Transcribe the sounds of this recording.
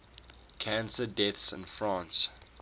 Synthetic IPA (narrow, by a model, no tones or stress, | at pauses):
kʰæ̃nsədɛθsɪ̰̃nfɹãˑns